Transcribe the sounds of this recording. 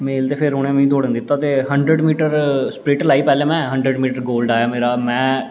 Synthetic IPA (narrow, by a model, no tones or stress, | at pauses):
meːlt̪eːpʰɪɾɦʊɽ̃ẽːm̃ĩːd̪oːɽə̃nd̪ɪt̪ːaːt̪eːɦəɳɖɾəɖmiːʈəɾspɾɪːʈlaːiːpɛːlẽːmɛ̃ːɦə̃ɳɖɾəɖmiːʈəɾɡoːlɖaːjaːmeːɾaːmɛ̃ː